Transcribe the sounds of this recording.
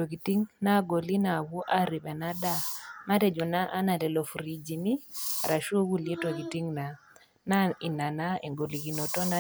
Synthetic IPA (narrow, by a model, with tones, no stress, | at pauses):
to˨ki˨ti˦ŋna˦ɡo˨li˦na˨wu˦ʔa˦ɾi˨pɛ˨na˦da˦˨ma˦tɛ˨d͡ʒɔ˨na˦ʔa˦na˨tɛ˨lɔ˨fu˨ɾi˨d͡ʒi˨ni˦˨ɾa˨ʃu˦o˦ku˦le˦to˨ki˨ti˦ŋna˨ | na˦i˨na˨na˦i˨ŋɡo˨li˨ki˨no˨tɔ˦na˦